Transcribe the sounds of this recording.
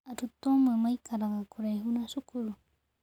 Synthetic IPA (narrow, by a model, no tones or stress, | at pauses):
aɾʊt̪omɪmajkaɾɑɢɑkʊɾajɦʊnasʊkʊɾ